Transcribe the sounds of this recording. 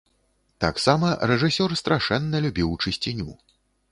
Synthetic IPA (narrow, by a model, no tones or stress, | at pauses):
t̪aksamɐrɛʐɨsʲɔrst̪ɾʔaʂɛnːɐlʲubʲiwt͡ʂɨsʲt͡sʲinʲu